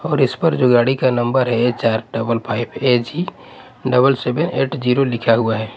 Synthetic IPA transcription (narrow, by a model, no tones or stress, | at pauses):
ɔːɾɪspəɾd͡ʒoɡaːɽikanə̃mbəɾɦɛet͡ʃaːɾɖəbəlpʰaːɪpʰed͡ʒi | ɖəbəlsebəneːʈd͡ʒiɾolɪkʰaɦuaɦɛː